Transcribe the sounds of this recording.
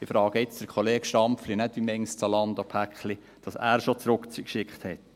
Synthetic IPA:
ɪfɾɑːɡ̥əɪt͡sd̥əɾkʰχoleːkʃtɑmpflinɛtʋimɛŋst͡sɑlɑnd̪opʰækχli | d̥ɑsæ̰ːɾʃot͡sɾʊkt͡skʃɪkχthɛt̪

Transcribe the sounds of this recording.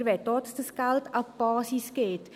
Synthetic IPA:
ɾvɛt̪ɔtsd̪əskalˠt̪apɔːsisket̪

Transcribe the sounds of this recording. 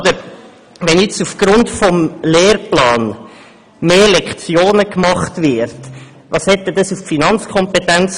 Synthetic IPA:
d̪əɾ | ʋɛnjɛt͡sufɡ̥ɾʊntfɔmleːɾplɑːn | meːlɛkχt͡sjoːnəkmɑχtvɪɾt | ʋɑshɛt̪ːɛdɑsuffinɑnt͡skʰɔmpet̪ænt͡s

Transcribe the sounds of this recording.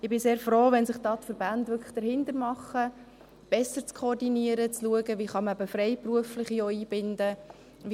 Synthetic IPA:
ɪbɪseːɾfroːʋɛnsɪχd̥ɑːt̪fəɾbændʋʏɾkʰlə̥χd̥əɾɦhɪnt̪əɾmɑχːə | b̥ɛsːəɾt͡skʰɔːrdiniəɾət͡sluəɡəviːχɑməæbəfrɛjpruəflɪχijoiːbɪndə | ʋ

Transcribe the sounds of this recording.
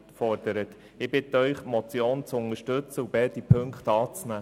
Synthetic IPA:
tfɔɾd̥əɾət | ɪbɪtəœʏχmɔt͡sjoːnt͡sʊnəʃtɵt͡səub̥ɛd̥ipʰɵŋkχtɑːt͡snæː

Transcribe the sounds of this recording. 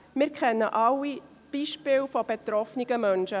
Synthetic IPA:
mɪːɾkʰɛnːəʔɑwi | b̥iːʃpɪːlfob̥ɛt̪ɾɔfnɪɡ̥əmœnʃə

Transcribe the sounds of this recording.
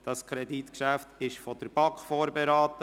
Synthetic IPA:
d̥ɑskʰɾɛd̪itkʃæft̪ɪʃfɔd̥̪əɾb̥ɑkfoːɾbɛɾɑːt̪ə

